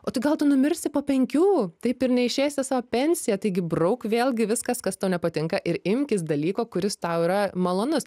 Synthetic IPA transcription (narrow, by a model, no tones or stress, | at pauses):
oːt̪ɐɪɡɐlˠt̪ʊnʊmʲɪɾʲsʲɪpoːpʲɛŋʲkʲuːt̪ɐɪpɪɾnʲɛɪʃʲeːsʲɪsɑːʋoːpʲɛnʲsʲɪjɛt̪ɐɪɡʲɪbrɐʊkʋʲeːlˠʲɡʲɪʋʲɪskɐskɐst̪ɐʊnʲɛpɐt̪ʲɪŋkɐʔɪɾɪmʲkʲɪsd̪ɐlʲiːkoːkʊɾʲɪst̪ɐʊiɾɐmɐlˠoːnʊs